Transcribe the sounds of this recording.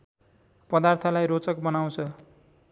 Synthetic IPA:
pʌd̪art̪ʰʌlajɾot͡sʌkbʌnaw̃t͡sʰʌ

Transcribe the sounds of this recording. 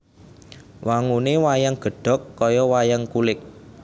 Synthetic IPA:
wʔaŋunewajaŋɡ̥ə̤ɖ̥ɔ̤kːɔjɔwajaŋkulɪk̚

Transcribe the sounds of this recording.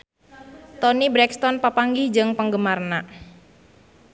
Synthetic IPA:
t̪ɔnibɾɛkst̪ɔnpəpaŋɡid͡ʒɨŋpəŋɡəmarna

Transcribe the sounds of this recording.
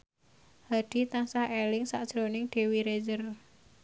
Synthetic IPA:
haɖ̪̥i̤t̪aŋsahelɪŋsad̥ʒ̥ɾonɪŋd̪̥e̤wiɾed͡ʒər

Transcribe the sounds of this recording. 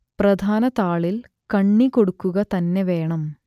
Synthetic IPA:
prɐd̪ʱaːnɐt̪aːɭil | kɐɳːikoɽukːuɣɐt̪ɐnːeʋeːɳɐm

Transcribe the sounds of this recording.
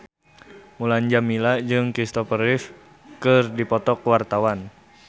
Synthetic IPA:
mulaɲd͡ʒamilad͡ʒɨŋkɾist̪ɔfərɪf | kɨrdipɔt̪ɔkwart̪awan

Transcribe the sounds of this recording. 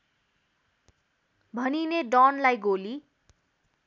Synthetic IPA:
bʱʌnineɖʌnlajɡoli

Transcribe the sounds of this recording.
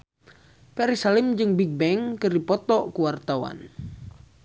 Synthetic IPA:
pɛɾisalimd͡ʒɨŋbiɡ̚bɛŋkɨripɔt̪ɔkuwart̪awa̰n

